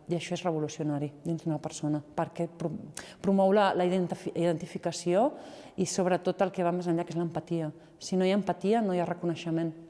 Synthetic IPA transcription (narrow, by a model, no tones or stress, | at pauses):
iəʃɔerəβ̞ulusiunaɾid̪inzðunɐpəɾsonɐpəɾkɛpɾupɾumɔwlələiðnt̪fiðənt̪ifikəsioisoβɾət̪ot̪əlˠkeβ̞amezəɲʎakezləmpɐt̪iə | sinojaːmpət̪iənojarəkunəʃəmẽn